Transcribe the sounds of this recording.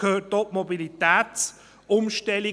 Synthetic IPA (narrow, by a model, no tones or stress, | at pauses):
kʰøːtoʔmɔbilit̪ɛːtt͡s | ʊmʃtɛli